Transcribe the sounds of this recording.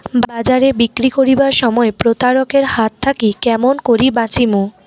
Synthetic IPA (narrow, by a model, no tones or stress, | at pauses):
bbad͡ʑaɾebikɾikoɾibaɾʃɔmɔepɾot̪aɾokeɾhat̪t̪ʰːakikɛmonkoɾibãt͡ɕimu